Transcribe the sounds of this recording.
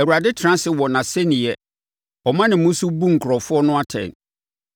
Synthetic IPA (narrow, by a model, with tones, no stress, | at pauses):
ɛ˨wu˨ɾa˨dɪ˦tʰɾã˦sɪ˨wɔ˨nã˨sɛ˦nɪ̃˨ɛ˦ | ɔ˨mã˦nɪ̃˨mʊ̃˦su˦bũ˦ŋ̩˨kʰʊ˨ɾɔ˨fʊ˦ɔ˦nʊ̃˦a˦tʰɛ̰̃˨n